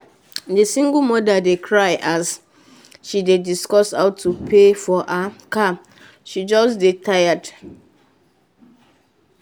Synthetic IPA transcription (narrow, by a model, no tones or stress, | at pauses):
disĩŋɡəmɔdadekʰɹaɪʔas | ʃidediskɔsaʊtʰːupʰefɔʔaka | ʃid͡ʒɔsdetʰajad